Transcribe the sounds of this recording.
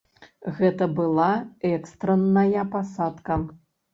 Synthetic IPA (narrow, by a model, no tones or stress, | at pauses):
ɣɛt̪ɐbɨlˠaɛkst̪ɾɐnːɐjɐpasat̪kɐ